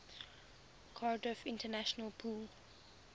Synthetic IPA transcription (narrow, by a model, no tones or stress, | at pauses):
kʰɔɹdəfɪ̃ntənaʃənəlpʰuːl